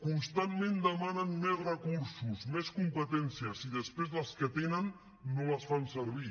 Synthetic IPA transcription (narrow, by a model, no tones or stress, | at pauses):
kunst̪anmẽnd̪əmanənmezrəkuɾsuzmeskumpət̪ɛnsiəsiðəspɾezðəlˠskət̪enənː | oləsfansəɾβ̞i